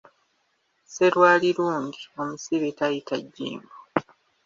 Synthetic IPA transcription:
se̞ɾwaːliɾuːɲɟio̞musiβetajitaɟːḭːmbo

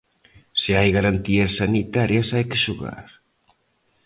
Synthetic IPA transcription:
sɪajɣaɾant̪iɐsːanit̪aɾjɐsajkɪʃuɣa̰ɾ

